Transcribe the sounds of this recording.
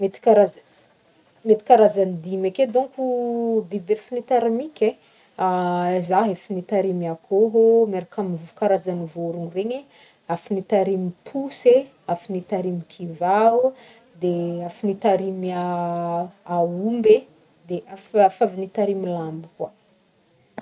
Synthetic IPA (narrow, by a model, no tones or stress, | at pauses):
met̪i̥kaɾaz | met̪i̥kaɾazanid̪imaked̪uŋkud̪ibefinit̪aɾamikʲe | azaɦefinit̪aɾimiakoɦomeɾakamivuukaɾazanivuɾuŋreɲe | afinit̪aɾimipʰuse | afinit̪aɾimikʰiva | d̪eafinit̪aɾima | aumbe | d̪eʔafafavinit̪aɾimilambikwa